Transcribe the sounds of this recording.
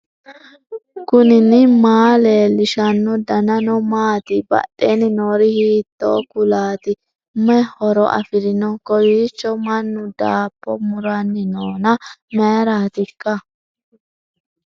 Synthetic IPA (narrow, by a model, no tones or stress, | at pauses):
kʊnɪnɪmaːleːlːɪʃɐnːɔd̪ɐnɐnɔmaːt̪ɪbɐ̰ɗːenɪnoːɾɪhiːt̪ːɔ̰ːkʊlaːt̪ɪ | mɛhɔɾɔʔɐ̰fɪɾɪnɔkɔjiːt͡ʃːɔmɐnːʊd̪aːpːɔ̰mʊɾɐnːɪnoːnɐmɛːɾaːt̪ɪkːɐ